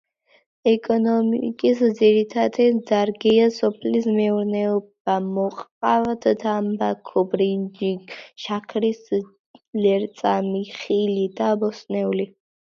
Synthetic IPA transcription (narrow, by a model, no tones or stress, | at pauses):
ɛkʼɔnɔmkʼisd̪ziɾit̪ʰad̪ɛzaɾɡiasɔpʰlismɛuɾnɛɔb̥amɔqʼavt̪d̪ambakʰɔbɾind͡ʒiʃakʰɾis | lɛɾt̪sʼamiχilid̪abɔsnɛuli